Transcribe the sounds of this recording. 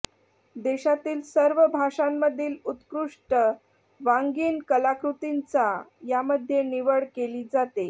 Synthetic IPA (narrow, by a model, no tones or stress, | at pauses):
d̪eɕat̪iːlsəɾʋəbʱaʂamːəd̪ʱiːlut̪kɾuʂʈə | ʋaŋɡiːnkəlakɾut̪int͡sajaməd̪ʱːjeniʋəɽkeliːd͡zat̪e